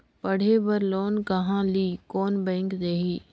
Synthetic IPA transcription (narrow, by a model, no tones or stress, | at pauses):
pɐɽ̤eːbɐɾloːnkɐɦãliːkoːnbɛ̃ːŋkd̪eːɦiː